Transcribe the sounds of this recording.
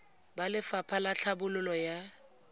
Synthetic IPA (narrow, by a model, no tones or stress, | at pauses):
balɪfapʰalaɬʰabʊlʊlɔja